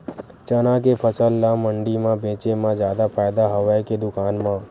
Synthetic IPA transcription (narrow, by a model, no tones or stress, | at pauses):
t͡ʃənãkepʰəsəlːãməɳɖimãbẽːt͡ʃemãd͡ʒjaːd̪apʰaːjd̪aɦəʋaked̪ʊkaːnmã